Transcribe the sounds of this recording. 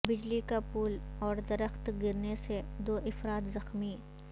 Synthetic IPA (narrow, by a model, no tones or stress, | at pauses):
bɪd͡ʒlikapuːlɔːɾd̪ɐɾəxt̪ɡɪɾnesed̪oːʔɪfɾaːt̪zɐxmi